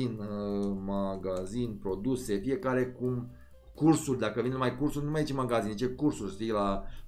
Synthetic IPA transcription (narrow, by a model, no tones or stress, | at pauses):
inmaɡazinpɾo̞d̪use̞fije̞kaɾe̞kum | kursurʲd̪akəvinmajkursurʲnumajet͡ʃemaɡazint͡ʃekursurʲst̪ijla